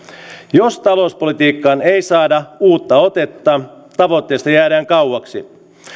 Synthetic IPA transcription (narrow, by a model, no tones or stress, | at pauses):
jost̪ɑlouspo̞lit̪iːkːɑːnejsɑːdɑuːt̪ːɑo̞t̪e̞t̪ːɑː | t̪ɑʋo̞t̪ːe̞ːst̪ɑjæːdæːŋkɑwɑksḭ